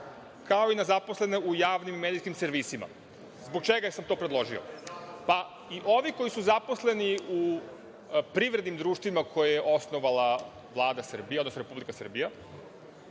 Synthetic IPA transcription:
kao̞inazapo̞sle̞neujaːʋnimimed̪iskimseɾʋisima̰ | zboɡ̚t͡ʃeɡasamt̪oːpɾed̪lˠo̞ʒio̰pa | iʔo̞ʋiko̞jisuzapo̞sle̞niu | pɾiʋɾed̪nimd̪ɾuːʃt̪ʋimakʰojajeʔo̞snoʋala | ʋlˠaːd̪asr̩bijeod̪nosɾe̞publikasr̩bija

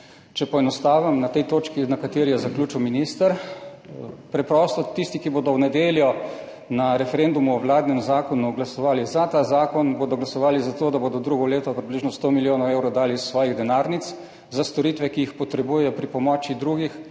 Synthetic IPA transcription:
t͡ʃɛpɔɛnɔst̪aːʋamnat̪ɛjt̪oːt͡ʃkinakat̪eːɾijɛzakljuːt͡ʃuwminist̪əɾ | pɾɛpɾɔst̪ɔt̪ist̪ikiboːd̪ɔwnɛd̪eːljɔ | naɾɛfɛɾend̪umuɔwlaːd̪nɛmzaːkɔnuɡlasɔʋaːlizat̪aːzaːkɔnboːd̪ɔɡlasɔʋaːlizat̪oːd̪aboːd̪ɔd̪ɾuɡɔleːt̪ɔpɾibliʒnɔst̪oːmiljoːnɐwewɾɔd̪aːlissʋɔːjiɣd̪ɛnaːɾnit̪s | zast̪ɔɾiːt̪ʋɛkiixpɔt̪ɾɛbuːjɛjɔpɾipɔmɔːt͡ʃid̪ɾuːɡix

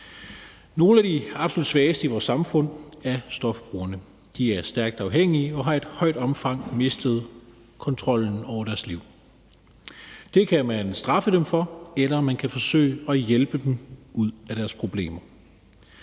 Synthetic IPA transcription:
no̝ːl̩æd̥iɑ̈b̥solud̥sʋɛːsd̥əiʋɒːsɑ̈mfɔ̽n̰æɐsd̥ɒ̽fb̥ʁṵːɐnə | d̥iæɐsd̥æɐɡ̥̚d̥ɑ̈ʊɦeŋ̰iəɒ̽ɦɑ̈e̝d̥hɒɪ̰d̥ɒ̽mfɑ̈ŋ̰me̝sd̥əð̞̩ˠ | kʰɒ̽nt͡sʰʁɒ̽l̰n̩ɒʊ̰ɐɾæɐsliʊ̰ | d̥e̝kʰæmænsd̥ʁɑ̈fəd̥emfɒ̽elɐmænkʰæfɒ̽sø̰ɪɒ̽jelb̥əd̥emuð̰ˠæɾ̥æɐspʰʁo̝b̥le̝̰ːmɐ

